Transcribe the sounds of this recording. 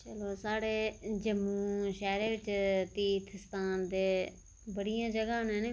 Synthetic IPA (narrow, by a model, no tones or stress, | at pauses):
t͡ʃəloːsaːɽeːd͡ʒəmːũːʃɛːɾeːʋɪt͡ʃt̪iːt̪ʰst̪aːnd̪eː | bəɽɪjãːd͡ʒəɡaːnẽːnẽ